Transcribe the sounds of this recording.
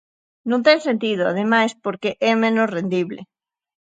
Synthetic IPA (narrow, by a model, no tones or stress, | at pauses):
nõnt̪ẽŋsent̪ið̞oa̰ð̞emajspoɾkeʔɛmẽnosrend̪iβlḛ